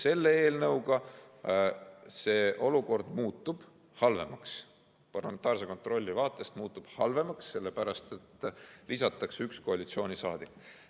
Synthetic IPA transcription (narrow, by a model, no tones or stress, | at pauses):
se̞lːee̞ːlnɤwɡɑ | se̞ːʔo̞luko̞rd̪muːt̪ːˑub̥ | hɑlve̞̰mɑks | pɑrlɑme̞nt̪ːˑɑːrs̬eko̞nt̪ro̞lʲːivɑːt̪ːˑe̞st̪muːt̪ˑːub̥hɑlve̞mɑksːe̞lːe̞pæɾɑst̪e̞t̪ːˑlisɑt̪ːˑɑksyksko̞ɑlit̪sio̞ːnʲisɑːd̪̥ikːˑ